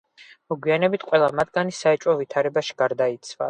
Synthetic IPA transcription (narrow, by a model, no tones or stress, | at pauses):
mɔɡwianɛbit̪ʰqʼwɛlˠamat̪ʰɡanisaɛt͡ʃʼwɔvit̪ʰaɾɛbaʃi̥ɡ̥aɾd̪ait̪sʰva̰